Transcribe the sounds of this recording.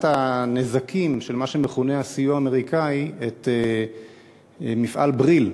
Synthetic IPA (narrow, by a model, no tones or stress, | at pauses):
tanezakʰimʃe̞lmaʃeme̞χuneasijuaːmeʁikaiet̪e | mifʔa̰lbʁil